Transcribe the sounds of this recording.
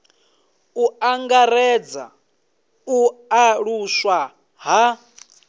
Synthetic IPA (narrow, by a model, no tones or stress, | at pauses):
uaŋɡaɾɛd͡za̰ | uaɺuswa | ɦa